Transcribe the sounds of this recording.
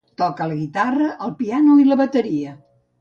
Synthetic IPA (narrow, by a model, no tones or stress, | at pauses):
t̪ɔkələɣit̪arəʔəlˠpianoiləβət̪əɾiə